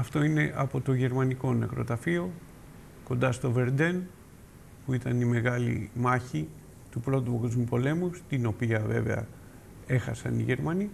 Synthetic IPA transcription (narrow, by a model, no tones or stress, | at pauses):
ɐft̪o̞ine̞ʔɐpo̞t̪o̞ʝe̞ɾmɐniko̞nekɾo̞t̪ɐfio̞ | ko̞nd̪ɐst̪o̞ve̞ɾd̪e̞n | puit̪ɐnime̞ɣɐlḭmɐçi | t̪upɾo̞t̪upokozmupo̞le̞must̪ino̞piɐve̞̰ve̞̰ɐ̰ | e̞xɐ̰sɐ̰nḭʝe̞ɾmɐni